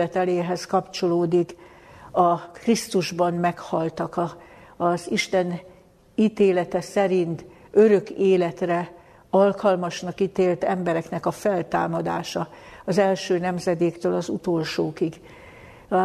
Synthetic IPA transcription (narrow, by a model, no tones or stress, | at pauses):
ɛt̪ɛleːɦɛskɒpt͡ʃo̞loːd̪ik | ɒkrist̪uʒbɒnmɛkhɒlt̪ɒkɒ | ziʃt̪ɛn | it̪eːlɛt̪ɛsɛɾint̪øɾø̞keːlɛt̪rɛ | ɒlkɒlmɒʃnɒkit̪eːlt̪ɛmbɛɾɛknɛkɒfɛlt̪a̰ːmɒd̪a̰ːʃɒɒzɛlʃøːnɛmzɛd̪eːkt̪øːlɒzṵt̪olʃoːkiɡ